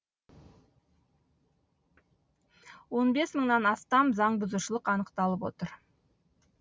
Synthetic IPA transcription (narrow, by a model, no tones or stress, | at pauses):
wo̞nbe̞sməɴnɑnɑst̪ɑmzɑɴbʊzuʃəlˠəqɑnəqt̪ɑlˠəpwo̞̰t̪əɾ